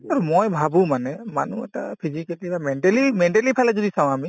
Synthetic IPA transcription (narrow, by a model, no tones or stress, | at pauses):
aɹumojbʱabumanɛma̰nṵɛ̰ta̰pʰizikɛltibamɛntɛlimɛntɛlipʰalɛzɔdisaw̃ami